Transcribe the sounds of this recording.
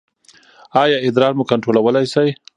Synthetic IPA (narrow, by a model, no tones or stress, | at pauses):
ɑjɑɪd̪ɾɑɾmukaɳʈɾolawəlajsaj